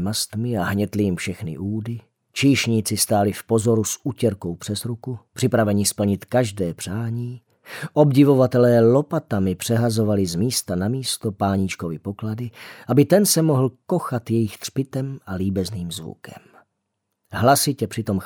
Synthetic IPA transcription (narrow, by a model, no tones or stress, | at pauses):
mast̪mɪaɦɲɛt̪lɪjɪmfʃɛxnɪ̰ʔuːdɪ | t͡ʃiːʃɲiːt͡sɪst̪aːlɪfpo̞zo̞ɾusucɛɾko̞wpr̝̥ɛzɾukupr̥ɪpɾavɛɲɪspl̩ɲɪt̪kaʒdɛːpr̥aːɲiː | ʔo̞bɟɪvo̞vat̪ɛlɛːlo̞pat̪amɪpr̝̥ɛɦazo̞valɪzmiːst̪anamiːst̪opaːɲit͡ʃkovɪpo̞kladɪʔabɪt̪ɛnsɛmoɦl̩ko̞xat̪jɛjɪxt̪r̥pɪt̪ɛmʔaliːbɛzniːmzvṵkɛ̰m | ɦlasɪcɛpr̥ɪt̪o̞m